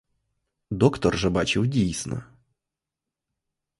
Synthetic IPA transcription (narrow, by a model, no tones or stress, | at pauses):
d̪okt̪ərʐɐbat͡ɕɪwdʲijsnə̰